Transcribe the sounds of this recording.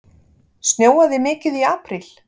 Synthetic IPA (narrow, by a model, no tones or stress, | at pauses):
snjoːwaðɪmɪːcɪðiaːpɾil̥